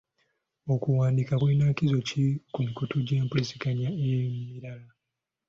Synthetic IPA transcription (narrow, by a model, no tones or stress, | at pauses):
okuwaːndikaβwinaːkizo̞cikumikotʰuɟeːmpulisiɡaɲaemiɾala